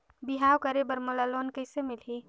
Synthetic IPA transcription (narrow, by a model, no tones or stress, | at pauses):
biɦawkəɾebəɾmolalonkəɪsemilɦi